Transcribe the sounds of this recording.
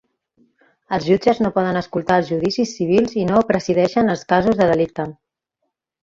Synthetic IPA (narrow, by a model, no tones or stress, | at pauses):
əlˠzʒud͡ʒəznopɔð̞ənəskulˠt̪aəlˠzʒuðisisːiβ̞ilˠzinopɾəziðɛʃənəlˠskazuzðəðəlik̚t̪ə